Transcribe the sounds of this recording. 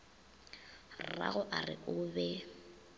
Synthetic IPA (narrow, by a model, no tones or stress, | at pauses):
ra̰ɣʊʔarɪ̰ʔʊːbɛ